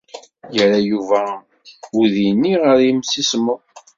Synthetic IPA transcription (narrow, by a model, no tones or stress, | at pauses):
jəɾajuvæ | uðinːiʁəɾjəmsismə